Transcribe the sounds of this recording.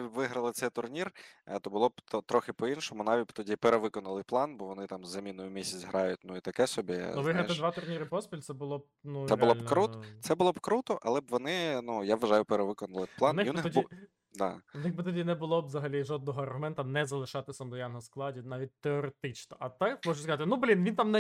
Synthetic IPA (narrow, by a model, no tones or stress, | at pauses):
ʋɪɦɾɐlˠɪt̪sɛjt̪ʊrnʲirt̪ɔbʊlˠɔbt̪ɔt̪ɾɔxɪpɔinʃɔmʊnɑʋʲit̚ʲbt̪ɔdʲipeɾeʋɪkɔnɐlˠɪplˠɑnbɔʋɔnɪt̪ɑmzːɐmʲinʊjʊmʲisʲɐt͡sʲɦɾʔɑjʊt̚ʲnuit̪ɐkɛsɔbʲḭnuʋɪɦɾɐt̪ɪd̪ʋɑt̪ʊrnʲiɾɪpɔspʲilʲt̪sɛbʊlˠɔb̚nuɾɛeʊlˠɔlʲnkɾut̪t̪sɛbʊlˠɔbkɾut̪ɔʔɐ̰lˠɛbʋɔnɪnujaʋːɐʒɑjʊpeɾeʋɪkɔnɐlˠɪplˠɑnnɪnɪɔdʲ | d̪ɑ̰nɪxbɪt̪ɔdʲinɛbʊlˠɔbʋzɐɦɐlʲiʒɔd̪nɔɦɔɐrɦʊmɛnt̪ɐnɛzɐlˠɪʃɑt̪ɪsʲɐmd̪ɔjanɦɔsklˠɑdʲinɑʋʲit̚ʲt̪eɔɾet̪ɪt͡ʃnɔʔɐt̪ɛmɔʒʊskɐzɑt̪ɪnublʲinʋʲint̪ɑmnɛ